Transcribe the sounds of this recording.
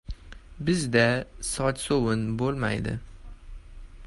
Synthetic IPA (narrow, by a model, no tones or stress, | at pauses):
bɪzd̪asɒt̪sowɪnbolˠma̰jd̪ɪ̰